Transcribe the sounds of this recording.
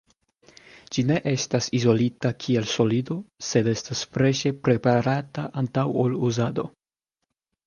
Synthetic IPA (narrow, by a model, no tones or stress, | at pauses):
d͡ʒine̞ʔe̞stasizo̞litakʰie̞lso̞lido̞se̞de̞stasfɾe̞ʃe̞pɾe̞paɾataʔantawoluzado̞